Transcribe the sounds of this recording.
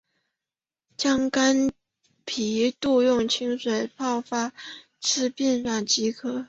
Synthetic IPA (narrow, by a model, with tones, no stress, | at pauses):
t͡ɕjɑ˥ŋka˥n | pʰi˨˥t̪u˥˧jʊ˥˩ŋt͡ɕʰi˥ŋʂwe˨˩ɪpɑ˥˩ʊfa˥ | ʈ͡ʂʰɻ̩˥˧pjɛ˥˧nlwa˥˩nt͡ɕi˥kʰɤ˥